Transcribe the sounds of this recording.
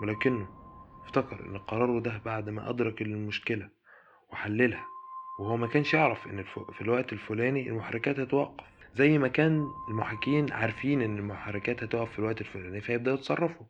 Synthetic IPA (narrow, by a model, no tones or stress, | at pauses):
welæːkenːoʔeft̪ækɑɾʔḛnːelqɑɾˤɑːɾˤod̪æbaʕd̪mæ̰ʔɑ̰d̪ɾˤɑklelmoʃkelæ | weħalːelhæwehowːæmækæːnʃjeʕɾɑfʔenːelfofilwæʔt̪elfolæːniḛlmoħaɾːˤekæːt̪hæt̪wɑqːɑ̥fzæjːmækæːnelmoħakiːnʕaɾˤfiːnʔenːelmoħɑrˤːekæːt̪hæt̪oʔɑffilwæʔt̪elfolæːnifæjeb̚d̪æʔɑt̪sˤɑrˤːɑfo